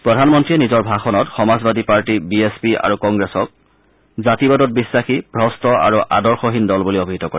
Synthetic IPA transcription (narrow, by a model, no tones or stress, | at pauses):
pɹɔdʱanmɔntɹiɛnizɔɹbʱaxɔnɔtxɔmazbadipaɹtibiespia̰ɹukɔŋɡɹesɔk̚ | zatibadɔt̚bisːaxibʱɹɔstɔa̰ɹuʔa̰dɔɹxɔɦindɔlbuliobʱiɦitɔkɔɹɛ